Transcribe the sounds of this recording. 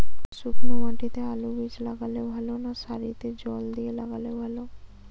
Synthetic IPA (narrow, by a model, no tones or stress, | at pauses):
sukɾomãʈit̪ealubid͡ʑlaɡalebʱalonaʃaɾit̪ed͡ʑɔld̪iela̰ɡalebʱalo